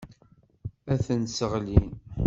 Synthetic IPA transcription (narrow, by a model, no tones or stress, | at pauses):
æθənsəʁlin